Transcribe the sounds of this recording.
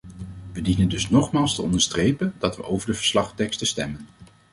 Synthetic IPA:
ʋədinəndɵsnɔχmaːlˠstəɔndəɹstrejpəndɑtʋə̰ʔowvəɹdəvə̥ɹslɑχtɛkstəstɛmən

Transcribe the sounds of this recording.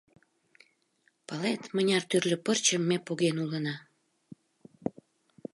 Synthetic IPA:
pəlet̪mənʲɑrt̪yrlʲə̆pərt͡ɕəmːepoɣenulənɑ

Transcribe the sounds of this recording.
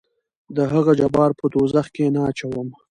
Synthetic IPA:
d̪əɦaɣad͡ʒabɑɾpəd̪ozaxkenaːt͡ʃawəm

